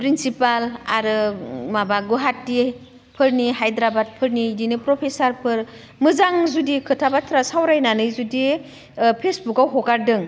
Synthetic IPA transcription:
pɾinsipala̰ɾɯmabaɡuɦatːi | pʰɯɾniɦajdɾabad̚pʰɯɾnidinɯpɾɔpʰesaɾpʰɯɾ | mɯzaŋzudikʰɯtʰabatʰɾasawɾajnanɯjzudi | pʰesbukawɦɔkaɾdɯŋ

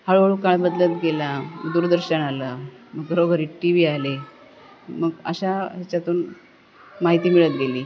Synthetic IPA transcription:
həɭʋəɭuːkaɭbəd̪lət̪ɡelaməɡd̪uːɾd̪əɾɕənaləməɡɡʱəɾoɡʱəɾiːʈiʋiːale | məɡə̰ɕaɦat͡ɕjat̪uːn | maɦit̪iːmiɭət̪̚ɡeliː

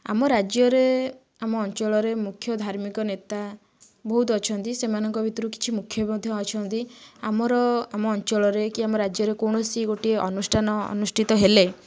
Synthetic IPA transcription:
a̰mɔɾad͡ʒjɔɾe | amɔːnt͡ʃɔɭɔɾemukʰːjɔd̪ʱaɾmikɔnet̪a | bɔɦut̪̬ɔɔt͡ʃʰɔnt̪isemanɔŋkɔbʱit̪ɔɾuki̥t͡ʃʰimukʰːjɔbmɔd̪ʱjɔːt͡ʃʰɔnt̪iamɔɾɔamɔːnt͡ʃɔɭɔɾekiamɔɾad͡ʒjɔɾekoɽ̃ɔsiɡoʈieʔɔ̰nusʈʰanɔɔ̰nusʈʰit̪ɔɦele

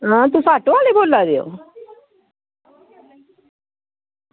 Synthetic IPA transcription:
ə̃t̪̬ũsaʈoaleboːlːad̪eo̰ː

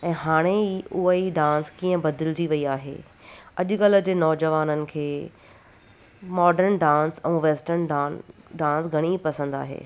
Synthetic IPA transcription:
ɛ̃ːɦaːɽ̃eiʊɦəiɖãːnskiːə̃bɐd̪ɪld͡ʑiʋɐiaːɦḛː | ɐʄʊkɐlə̆d͡ʑeːnɔːd͡ʑəʋaːnənɪ̆kʰeː | mɔːɖəɾnɖãːnsɛ̃ːʋeːsʈəɾnɖːɖãːnsɡʱɐɽ̃ipɐsə̃nd̪a̰ːɦḛː

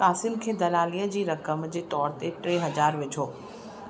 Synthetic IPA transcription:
kaːsɪmkʰeːd̪ɐlaːliːəd͡ʑiːɾɐkəmd͡ʑeːt̪ɔːɾt̪eʈɾeːɦɐd͡ʑaːɾʋɪd͡ʑʱoː

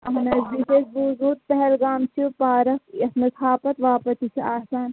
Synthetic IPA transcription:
ɐɦɐnɐsd̪iseːsbuːzuːt̪̚pɛɦɛlɡaːmt͡ʃʰipaːɾɐkɐt̪nɐsʰaːpɐt̪ʋaːpɐt̪isʰɐaːsaːn

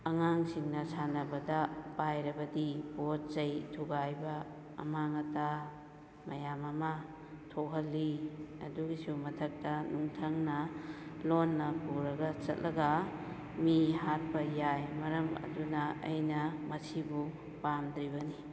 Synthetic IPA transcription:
ɐŋaŋsiŋnɐsanɐbɐdɐpajɾɐbɐdibot̚zɐjtʰuɡajbɐ̰ː | maŋɐta | mɐjamɐma | tʰoɦɐlːiɐ̰duɡisumɐtʰɐk̚tɐnuŋtʰɐŋnɐlonːɐpuɾɐɡɐt͡ʃɐ̰t̚lʔɐɡɐ | mihat̚pɐjajmɐɾɐmɐ̰dunɐɐ̰jnɐmɐsibu | pamd̪ɾibɐni

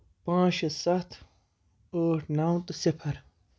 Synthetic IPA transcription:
pãːɕɐsɐt̪ʰ | əːʈnawt̪ɨsipʰɐɾ

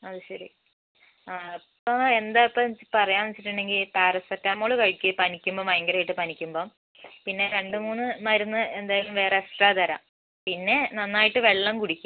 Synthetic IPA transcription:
ɐðɨɕɐɾḭ | pːoe̞nd̪aipːɐpɐrɐjaːnɐt͡ɕːiʈːuɳɖe̞ŋɡilpaːrɐspɐtːaːmoːɭukɐɻikʲːipɐnikʲːumboːmɐjɐŋɡɐɾɐːjiʈːɨpɐnikʲːumbo̞ː | pinːe̞ɾe̞ɳɖɨmuːnːɨmɐɾunːɨe̞nd̪aːjalumʋe̞ːresʈraːd̪ɐɾa̰ | pinːe̞nɐnːaːjiʈːɨʋe̞ɭːɐmkuɽikʲːu

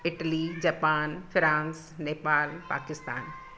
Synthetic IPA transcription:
ɪʈəlid͡ʑaːpaːnfʰɪɾãːns | neːpaːlpa̰ːkɪst̪aːn

